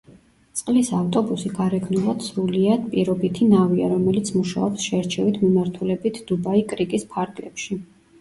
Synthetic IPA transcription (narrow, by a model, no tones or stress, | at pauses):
t̪sʼqʼlisaft̪ʼɔbusiɡaɾɛɡʰnulˠɔd̪̥sɾuliapʼiɾɔbit̪ʰinaviaɾɔmɛlit̪sʰmuʃa̰ɔpsʃɛɾt͡ʃʰɛvit̪ʰmimaɾt̪ʰulɛbit̪ʰd̪̥ubaikʼɾikʼispʰaɾɡlɛpʃi